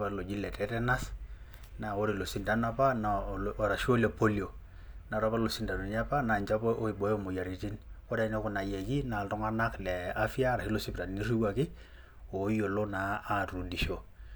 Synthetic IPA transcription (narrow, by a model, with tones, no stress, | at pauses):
pa˦lo˨d͡ʒi˦lɛ˨tɛ˦tɛ˦na˦s | na˨o˦ɾi˨lo˨si˨nda˦na˦pa˦na˨ɾa˨ʃo˦le˨po˦ljo˨ | na˨ɾa˦pa˦lo˨si˨nda˨nu˨ɲ˦a˦pa˦na˨ɲt͡ʃa˦po˦ʔo˦i˨bo˨˦mo˨ja˨ɾi˨ti˦nko˦da˦i˦ne˦kʊ˨na˨je˨ki˦na˨ltɔ˦ŋa˦na˦klɛ˨a˦fja˦ɾa˨hi˦lo˦si˦pta˨n˨ni˦ri˦wa˨kɪ˦ | o˨˦jo˨lo˦naː˨˦tu˨di˨ʃo˨